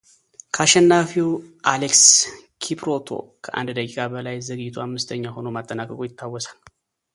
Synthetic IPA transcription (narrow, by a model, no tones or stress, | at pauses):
kʰaʃɛnːafiwʔalekskʰipɾo̞t̪ʰo̞̰kʰəʔa̰nd̪d̪əkʼikʼabəlajzəɡɨt̪ʰuhamːɨst̪ʰəɲːaho̞nomat̪ʼːənakʼəkʼujɪt̪ʰːawːɔsḁl